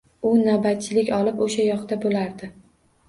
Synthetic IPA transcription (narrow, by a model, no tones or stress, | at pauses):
ʊnabat̪̚t͡ʃʰɪlɪkʲɒlɪpoʃajɒχd̪abolaɾd̪ɪ